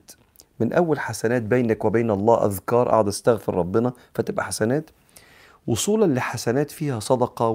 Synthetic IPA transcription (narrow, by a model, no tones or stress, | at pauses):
t̪ | mɪnʔæwːælħasænæːt̪̚beːnækwɪbeːnɑlˤːɑːʔæ̰ðkɑːɾˤʔɑ̰ʕɑd̪ʔæst̪æɣfɪɾˤɾˤɑbːɪnɑ | fæt̪ɪbʔæħasænæːt̪ | wosˤuːllːiħasænæːt̪fiːhæsˤɑd̪ɑqɑ